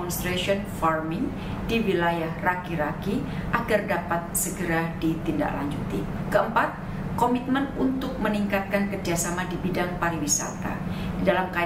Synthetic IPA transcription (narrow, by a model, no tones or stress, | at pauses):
ɔnst̪ɾasiɔnfarmɪŋ | diwilajahrakiɾaki | ʔaɡardapat̪̚səɡəɾadit̪inda̰kla̰ɲd͡ʒut̪i | kəəmpat̪̚ | komit̪̚mənunt̪ʊk̚məniŋkat̪̚kankərd͡ʒasamadibidaŋpaɾiwisa̰t̪a̰ | didalamka